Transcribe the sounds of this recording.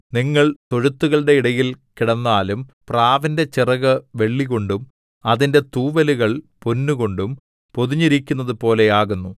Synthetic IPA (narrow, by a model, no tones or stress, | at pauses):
niŋːɐɭt̪o̞ɻut̪ːuɣɐɭɽe̞iɽɐjilkiɽɐnːaːlumpraːʋɐnde̞t͡ɕirɐɣɨʋe̞ɭːiɣo̞ɳɖum | ɐðinde̞t̪uːʋɐluɣɐɭponːuɣo̞ɳɖum | poðuɲːiɾikʲːunːɐðupo̞ːle̞aːɣunːu